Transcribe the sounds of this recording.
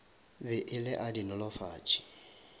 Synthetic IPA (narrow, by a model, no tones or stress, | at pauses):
bɪʔɪlɪʔadinʊlɔfaːt͡ʃʼi̥